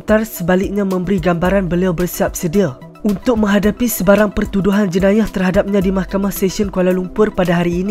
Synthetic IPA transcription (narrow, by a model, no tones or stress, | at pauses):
t̪arsəbalɪk̚ɲãmə̃mbəɾiɡambaɾanbəliawbərsiap̚sədia | ʔunt̪ʊk̚mə̃ŋɦadapisəbaɾaŋpərt̪uduɦand͡ʒənajaht̪ərɦadap̚ɲãdimahkamahsesənkualalumpʊrpadaɦaɾiːn